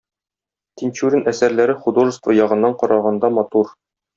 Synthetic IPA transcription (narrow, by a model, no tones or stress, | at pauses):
t̪inʲt͡ɕuɾʲɘnʔæsæɾlæɾɘχud̪oʒɤ̆st̪vɤjɒʁɤ̆nːɑɴqɒɾɑʁɑnd̪ɑmɒt̪uɾ